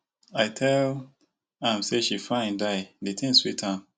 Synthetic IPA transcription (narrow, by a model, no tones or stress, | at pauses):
aɪtʰɛl | ãmseʃifãɪ̃ndaɪdetʰĩnswitʰãm